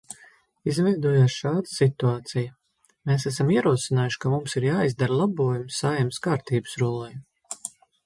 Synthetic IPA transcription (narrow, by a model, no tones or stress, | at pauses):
izvɛjd̪uɔjoːsʃaːd̪əsit̪uaːt̪siju | meːsæsamiɛɾuɔsinaːjuʃkamumsiɾjaːizd̪aɾlˠabuɔjumsajɛmskaːɾt̪iːbə̥sɾulˠɛj